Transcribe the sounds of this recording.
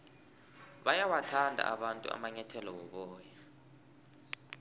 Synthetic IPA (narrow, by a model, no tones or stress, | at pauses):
ɓajawatʰandʱa̰ʔaɓantʼṵa̰maɲɛtʰɛlɔwɔɓɔːja